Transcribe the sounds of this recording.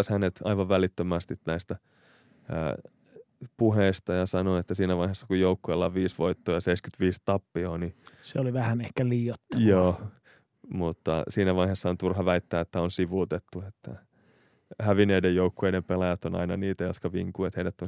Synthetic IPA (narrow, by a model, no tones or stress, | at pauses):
shænet̪ɑ̰iʋɑʋʋælit̪ːømæst̪it̪næist̪æ̰ː | puɦeist̪ɑjɑsɑnoet̪ːæsiːnæʋɑihesːɑkujjoukːuelːɑʋiːsʋoit̪ːoːjɑseiskyt̪ʋiːst̪ɑpːioniseoliʋæhænehkæliːot̪ːɑjoː | mut̪ːɑ̰siːnæʋɑihesːɑont̪urhɑʋæit̪ːæːet̪ːæonsiʋut̪et̪ːuet̪ːæ̰ | hæʋineidejjoukːueidempelɑjæt̪onɑ̰inɑniːt̪æjot̪kɑʋḭŋkuet̪heidæt̪ːon